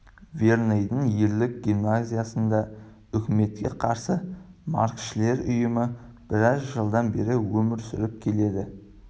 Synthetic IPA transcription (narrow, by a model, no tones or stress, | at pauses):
veɾnejd̪əŋje̞ɾlɪk̚ɡʲimnazʲijasənd̪ɑ | ʏkʲɪme̞t̪̚kʲe̞̰qʰɑɾsəmɑ̰ɾkʃɪle̞ɾʊjəmə | b̥ɪɾɑzʒəlˠd̪ɑnbe̞ɾɪwɵmɪɾsʏɾɪp̚kʲʰe̞le̞d̪ɪ